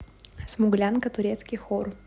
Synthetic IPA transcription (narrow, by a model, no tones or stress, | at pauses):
smʊɡlʲankət̪ʊɾʲet̪skʲɪjxor